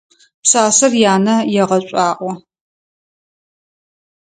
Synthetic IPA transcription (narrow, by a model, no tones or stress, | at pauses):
psaːsɐrjaːnɐjɛʁɐɕʷʼaːʔʼʷɔ